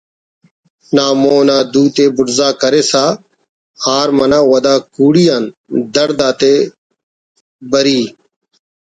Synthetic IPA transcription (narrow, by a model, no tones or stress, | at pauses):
naːmoːnaːd̪uːt̪eːbʊɖzaːkəɾeːsaː | haːɾmənãːwəd̪aːkuːɽiːaːnd̪əɾd̪aːt̪eː | bəɾiː